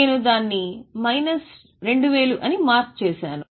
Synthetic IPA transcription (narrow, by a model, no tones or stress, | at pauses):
eːnud̪aːnːimɐjnɐs | ɾe̞ɳɖuʋeːluʔɐnimaːɾt͡ʃt͡ʃɛːʃaːnu